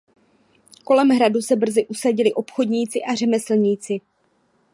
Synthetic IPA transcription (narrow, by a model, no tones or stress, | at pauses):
ko̞lɛmɦɾadusɛbr̩zɪʔusaɟɪlɪʔo̞pxo̞dɲiːt͡sɪʔar̝ɛmɛsl̩ɲiːt͡sɪ